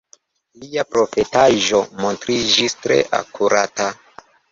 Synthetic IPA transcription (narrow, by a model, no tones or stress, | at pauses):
liapɾo̞fetaʒo̞mo̞ntɾid͡ʒistɾe̞̰ʔa̰kuɾʔata